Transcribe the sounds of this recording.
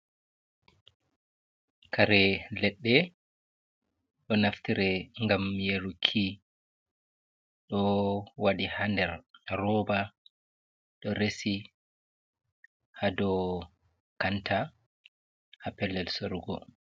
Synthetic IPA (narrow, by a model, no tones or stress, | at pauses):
kʰaɾɛlɛɗːɛ | ɗɔnaftiɾɛŋɡamjeɾukʰi | ɗɔwaɗihandɛɾrɔba | ɗɔɾesi | hadɔ | kanta | hapɛlːɛlsoɾuɡɔ̰